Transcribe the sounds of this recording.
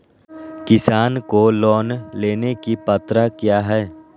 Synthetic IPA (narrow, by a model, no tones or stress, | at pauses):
kɪsaːnkolɔːnleːnekipɐt̪ɾakjaːɦɛː